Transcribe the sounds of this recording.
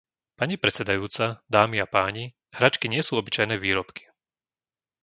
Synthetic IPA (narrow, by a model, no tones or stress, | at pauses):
paɲipɾɛt͡sɛd̪ajuːt͡sad̪aːmiapaːɲi | hɾaːt͡ʃkiɲɪɛsuːɔbit͡ʃajnɛːʋiːɾɔpki̥